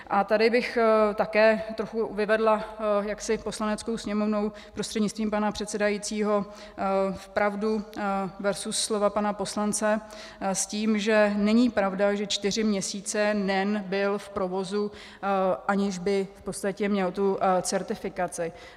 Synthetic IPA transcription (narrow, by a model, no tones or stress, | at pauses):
ʔat̪adɪbɪxt̪akɛːt̪ɾoxuvɪvɛdlajaksɪpo̞slanɛt͡skowsɲɛmo̞vno̞w | pɾost̪r̥ɛdɲɪt͡st̪viːmpanapr̝̥ɛt̪sɛdajit͡siːɦo̞ | fpɾʔavduvɛɾsusːlo̞vapanapo̞slant͡sɛ | sciːmʒɛnɛɲipɾavdaʒɛt͡ʃt̪ɪr̝ɪmɲɛsiːt͡sɛnɛnbɪlfpɾo̞vo̞zu | ʔaɲɪʒbɪfpo̞t̪t͡st̪acɛmɲɛlt̪ut͡sɛɾt̪ɪfɪkat͡sɪ